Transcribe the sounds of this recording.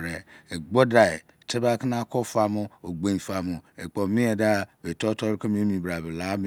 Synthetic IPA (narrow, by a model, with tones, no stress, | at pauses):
ɾe˨e˨ɡ͡bɔ˦da˨e˨tʰe˦ba˦ki˦na˦kɔ˦fa˦mʊ˦o˨ɡ͡bẽ˨fa˨mʊ˨e˨k͡pɔ˨mĩ˦ɛ˨da˦˨be˨tɔ˦tɔ˦ɾke˦m˦mĩ˨bɾa˨be˨la˨˦m˦